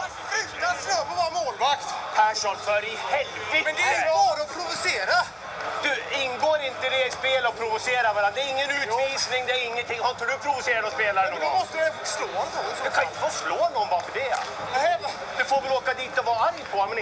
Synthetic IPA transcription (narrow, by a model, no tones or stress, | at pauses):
asœbɔvɑːɾamoːlvakt̪pʰæʂɔnfœːɾɪhɛlvɪmɛnd̪ɛɑɾaɔpʰɾʊvʊseːɾa | d̪̥ɵɪnɡoːɾɪnt̪əɪd̪ɛɪspeːlɔpʰɾʊvʊseːɾaɾvaɾand̪ɛæɾɪŋːənʉ̟ːiːsnɪŋd̪ɛæɾɪŋːənt̪ʰɪŋːhɔt̪ʰaɖʉpʰɾʊvʊseːɾaɾɔspeːlaɾɔɡɔmɔst̪əɾfsloːɔnd̪ɛkʰanɪnt̪ːəfɔsloːnɔbɑːfɔd̪ɛ̰ | ɛ | d̪ɛfoːɾvɪloːkad̪iːt̪ɔvɑːaɾjpʰɔmɛn